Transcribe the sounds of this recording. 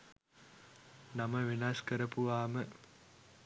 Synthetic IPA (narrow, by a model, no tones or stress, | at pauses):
namɐʋinaskəɾəpuʋaːmə